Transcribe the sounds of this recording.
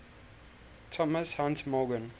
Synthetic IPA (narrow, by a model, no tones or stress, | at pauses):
tʰɔməshãntmɔɡə̃n